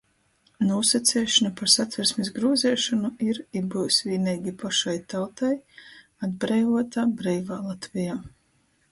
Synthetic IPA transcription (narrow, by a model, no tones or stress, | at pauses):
nuːsat̪sɛːʃɔnapaɾsat̪vɛɾsmisɡɾuɔzɛːʃɔnuiɾibusʲviːnɛjɡʲipʰaʃajt̪awt̪aj | ad̪bɾɛjvuɔt̪aːbɾɛjvaːlˠat̪vijaː